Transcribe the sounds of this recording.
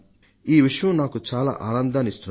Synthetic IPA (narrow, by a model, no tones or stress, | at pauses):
iːʋiʂɐjɐ̃mnaːkut͡ʃaːla̰ːʔaːnɐnd̪aːnist̪u